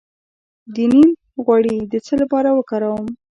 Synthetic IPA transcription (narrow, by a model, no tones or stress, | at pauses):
d̪inim | ɣwaɽid̪ət͡səlapɑɾawəkɑɾawəm